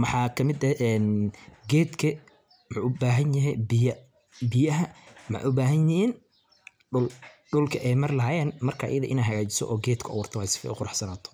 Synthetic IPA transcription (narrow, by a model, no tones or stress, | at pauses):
mɑħɑːkʰɐmɪd̪ɐʔɛːnɡɛːd̪kʰɐ | mʊħuːʊbaːɦɐnjɐɦɛjbɪjɐ | bɪjɐɦɐmʊħɑ̰ʔʊbaːɦɐnjɪiːn | ʊlɖʊlkʰɐʔɛjmɐrlɐɦaːjɛːnmɐrkʰaːʔɐ̰jɐðɐʔɪnaːɦɐɣaːt͡ʃɪ̥sɔ̰ʔɔːɡɛːd̪kʰɐwʊrt̪ʰɔwhɛsɪ̥fɛ̰ʔʊqʊɾɑħsɐnaːt̪ʰɔ̥